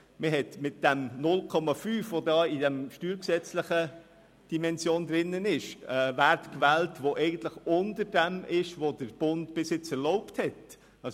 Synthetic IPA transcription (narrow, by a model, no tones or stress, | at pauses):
məɦɛtmɪt̚d̥æmnʊlkʰɔmɑfyːfʋodɑːidɛmʃtyːɾksɛt͡slɪχə | d̥imɛnsjoːnd̪ɾɪnːənɪʃɛːvæɾtkvɛːltvoʔɛɪɡən̩t̪ləχʊndəɾdɛmɪʃʋodəɾb̥ʊntb̥ɪsɪt͡sɛɾlɔʊpthɛt | ɑ